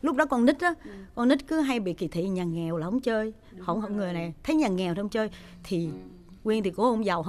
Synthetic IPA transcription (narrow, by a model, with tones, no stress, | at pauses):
lʊ˦˥k͡p̚ɗɔ˨˦kɔ˧ni˦˥t̚ʔɔ˨˦kɔ˧nːi˦˥t̚kɨ˨˦ɦa˧jɓḭ˧˨ki˨˩t̪ʰḭ˧˨ɲaː˨˩ŋɛ˨˩wlaː˨˩ʔə˨˦ŋ͡mt͡ɕəː˧j | hə̰˧˨hə̰˧˨ŋɨ˨˩əjna˨˩jt̪ʰə˨˦jɲaː˨˩ŋɛ˨˩wt̪ːŋ͡mt͡ɕəː˧j | t̪ʰi˨˩ | ŋwi˧nt̪ʰi˨˩ko˨˦hə˧wŋ͡mza˨˩wɦ